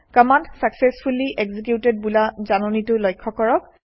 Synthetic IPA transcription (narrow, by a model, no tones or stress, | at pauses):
kəmantsaksesfʰuliʔɛɡzik̬juted̚bulazanɔnitʊlɔjkʰːɔkɔɹɔk̚